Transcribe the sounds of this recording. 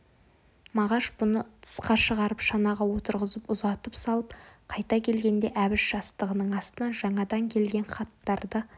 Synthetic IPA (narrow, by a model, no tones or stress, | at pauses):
mɑʁɑʃbʊnət̪ʰə̥sqɑʃəʁɑɾəpʃɑnɑʁɑwo̞t̪əɾʁəzəpʊzɑt̪əpsɑlˠəp̚qʰɑjt̪ɑkʲʰe̞lɡʲe̞nd̪e̞ʔæbɪʃʒ̥ɑst̪əʁənəɴɑst̪ənɑnʒɑɴɑd̪ɑŋkʲʰe̞lɡʲe̞nχɑt̪ːɑɾd̪ə